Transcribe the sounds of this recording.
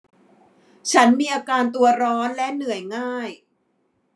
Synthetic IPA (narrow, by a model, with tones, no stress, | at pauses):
t͡ɕʰa˦˥nmiː˧ʔaː˧kaː˧nt̪u˧ɐɾɔː˦˥nlɛ˦˥ʔnɯ˨˩əjŋaː˥˩j